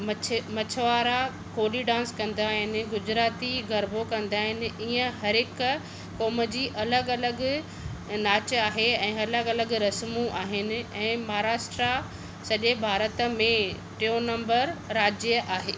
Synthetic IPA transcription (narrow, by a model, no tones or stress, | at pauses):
mɐmɐt͡ɕʰəʋaːɾa | koːliɖãːnskɐ̃nd̪aːɦɪnɪ̆ɡʊd͡ʑɾaːt̪iɡʱɐɾbʱokɐ̃nd̪aːɦɪnɪ̆iːə̃ɦɐɾɪkː | ɔːmə̆d͡ʑiːʔɐləɡɐləɡ | naːt͡ɕaːɦeɛ̃ːɐləɡɐləɡɾɐsmũʔaːɦɪnɪ̆ɛ̃ːmɐaɦɾaːʃʈɾa | sɐʄebʱaːɾət̪əmẽ | ʈionɐ̃mbəɾːaːd͡ʑjəʔaːɦeː